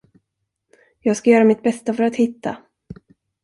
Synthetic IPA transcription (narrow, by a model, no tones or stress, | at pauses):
jɑːɡskajœːɾamɪt̪̚bɛst̪afœɾat̪hɪt̪ːa̰